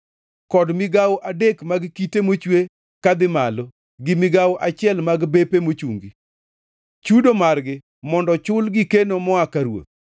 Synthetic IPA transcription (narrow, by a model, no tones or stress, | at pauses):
kɔdmɪɡawoʔadekmaɡkitemot͡ʃwe | kad̪ɪmalo | ɡɪmɪɡawoʔat͡ʃɪɛlmaɡbepemot͡ʃuŋɡi | t͡ʃudomarɡɪ | mɔndɔt͡ʃʊlɡɪkenomɔakaɾwo̰t̪̚